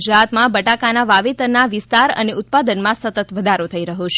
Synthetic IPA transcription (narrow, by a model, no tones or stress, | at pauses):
d͡ʒɾat̪mãbəʈakanaʋaʋet̪əɾnaʋɪst̪aɾə̰neut̪̚pad̪ənmãsət̪ət̪ʋəd̪ʱaɾot̪ʰəiɾəɦot͡ʃʰ